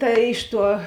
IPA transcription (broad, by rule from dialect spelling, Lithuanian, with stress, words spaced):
ˈtɐ ˈɪʃ ˌtuɔ